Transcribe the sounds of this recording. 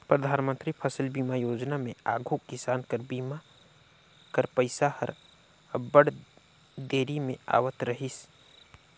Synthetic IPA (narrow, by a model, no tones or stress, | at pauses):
pɾəd̪ʱaːnmə̃nt̪ɾipʰəsəlbiːmajoːd͡ʒnamẽaːɡʱokɪsaːnkəɾbiːma | kəɾpəɪsahə̰ɾ | bəɽ | d̪eːɾimẽa̰ːwət̪ɾəɦis